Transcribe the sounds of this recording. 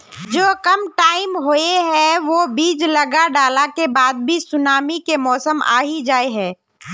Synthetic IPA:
d͡ʒoːkɐmʈaːɪmɦoeɦɛ̃ʋobiːd͡ʒlɐɡaɖaːlakebaːd̪̚bʱisʊnaːmikemɔːsəma̰ːɦid͡ʒaːeɦɛ̃ː

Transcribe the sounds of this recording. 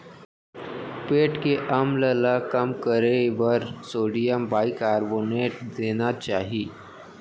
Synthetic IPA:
peːʈkeʔɐmləlakɐmkəɾeʋəɾsoːɽijəmbaːɪkaːɾboːneːʈd̪eːnat͡ʃaːɦiː

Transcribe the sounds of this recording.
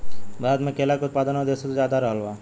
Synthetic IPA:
bɾat̪mẽkeːlakʊt̪̚paːd̪ənod̪eːset̪ozjaːd̪aɾɐɦəlʋaː

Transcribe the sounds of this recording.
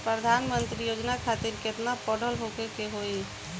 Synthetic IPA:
pɾəd̪ʱanmənt̪ɾijod͡ʒnakʰat̪iɾket̪napəɽ̤ʱəlɦokekeɦoj

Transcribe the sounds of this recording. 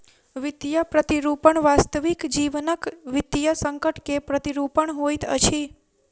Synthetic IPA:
ʋid̪jəpɾət̪iɾupəɳʋast̪əʋikd͡ʒiʋnəkʋɪd̪jəsəŋkəʈkepɾət̪iɾupəɳɦojt̪ʰə̰t͡ʃʰi

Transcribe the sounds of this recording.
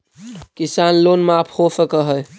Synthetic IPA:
kisanlonmeapʰhosəkəɦəj

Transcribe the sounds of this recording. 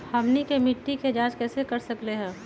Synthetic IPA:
hɐmnikemɪʈːiked͡ʒaːd͡ʒkɛːsekɐɾsɐkleɦɛ̃ː

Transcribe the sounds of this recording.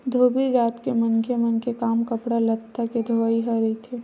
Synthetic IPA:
d̪ʱoːbid͡ʒaːt̪kemɐnkemɐnkekaːmkəpɽalɐt̪ʰːaked̪ʱoaiɦəɾit̪ʰeː

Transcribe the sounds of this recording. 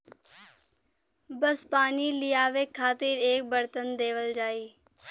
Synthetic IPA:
bəspaːnilɪjaːʋeːkʰaːt̪ɪɾeːk̚bəɾt̪ənd̪eːʋəld͡ʒaːiː

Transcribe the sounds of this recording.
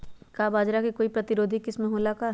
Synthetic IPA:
kabaːd͡ʒɾakikoːipɾɐt̪ɪɾoːd̪ʱikɪsmẽɦolaka

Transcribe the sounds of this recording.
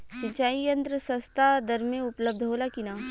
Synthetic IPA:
sɪ̃t͡ʃaːijɐ̃nt̪ɾəsɐ̃st̪ʰad̪ɐɾmẽʊpləb̚d̪ʱɦoːlakinaː

